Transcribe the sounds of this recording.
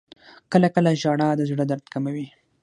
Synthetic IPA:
kəlakəlaʒɑɽɑd̪əzɽəd̪aɾd̪kamawi

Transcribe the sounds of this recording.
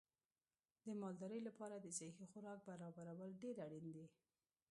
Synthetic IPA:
d̪əmɑld̪ɑɾəjlapɑɾad̪əsehixʊɾɑk̚baɾɑbaɾawəlɖeɾaɽind̪e

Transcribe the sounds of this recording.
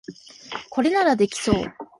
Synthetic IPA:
ko̞ɾe̞naɾad̪e̞kʲi̥so̞̰ː

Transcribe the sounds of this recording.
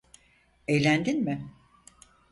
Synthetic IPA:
ejlʲænd̪inmɪ

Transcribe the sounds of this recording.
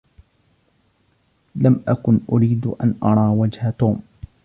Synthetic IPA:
lamʔakʊnʔʊɾiːd̪ʔa̰nʔɑɾˤɑːwad͡ʒhat̪uːm

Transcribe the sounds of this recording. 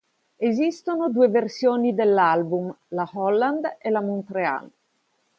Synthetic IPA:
ezist̪onod̪uːeversjoːnid̪elːalbum | lahɔlːand̪elamont̪ɾea̰l

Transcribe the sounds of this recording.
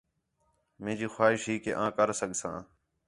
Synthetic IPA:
mẽːd͡ʒiːxwaːɦɪʃɦiːkḛːʔãːkəɾsəɠʱsã̰ː

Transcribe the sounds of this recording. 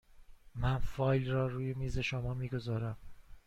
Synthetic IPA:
mænfɒːjlrɒːɾuːje̞miːze̞ʃomɒːmiːɡo̞zɒːɾæm

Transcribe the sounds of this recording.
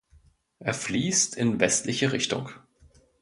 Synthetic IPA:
ʔeːɐfliːstʰɪnvɛstlɪçəʁɪçtʊ̰ŋ

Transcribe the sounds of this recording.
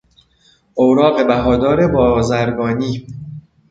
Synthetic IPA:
ʔowɾɒːɣe̞bæɦɒːd̪ɒːɾe̞bɒːzæɾɡɒːniː

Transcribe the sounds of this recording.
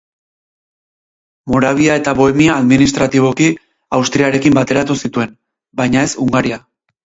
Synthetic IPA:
mo̞ɾaβ̞iae̞t̪aβo̞e̞miaːðminist̪ɾat̪iβ̞o̞ki | awst̪ɾiaɾe̞kimbat̪e̞ɾat̪usit̪ue̞n | bajɲae̞suŋɡaɾia

